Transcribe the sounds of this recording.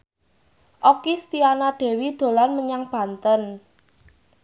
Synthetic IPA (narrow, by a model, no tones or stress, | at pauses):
ʔokist̪ianaɖ̥e̤wid̪̥o̤lanməɲaŋb̥ä̤nt̪ən